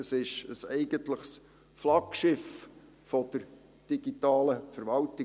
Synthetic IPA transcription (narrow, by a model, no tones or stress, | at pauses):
əsɪʃəsɛɪɡəntləχs | flɑkʃɪf | fɔd̥əɾ | d̥iɡ̥itɑːləfəɾʋɑltɪ